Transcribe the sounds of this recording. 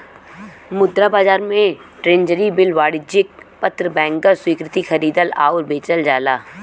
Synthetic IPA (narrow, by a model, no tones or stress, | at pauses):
mʊd̪ɾabaːd͡ʒaːɾmẽʈɾẽːnd͡ʒəɾibɪlʋaːɽɪd͡ʒɪk̚pət̪ɾəbɛ̃ːŋkəɾswiːkɾɪt̪ixʰɐɾiːd̪əla̰ːʊɾbeːt͡ʃəld͡ʒaːlaː